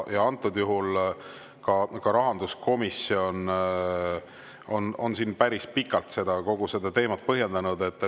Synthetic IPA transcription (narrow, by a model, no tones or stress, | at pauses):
jɑɑnt̪ːˑud̪juɦul | kɑkɑɾɑɦɑnd̪usko̞misio̞n | o̞no̞nsiːnpæɾispikːˑɑlt̪se̞d̪̥ɑko̞ɡ̥use̞d̪̥ɑt̪e̞ːmɑt̪̚pɤɦje̞nd̪ɑnud̪e̞t̪ːˑ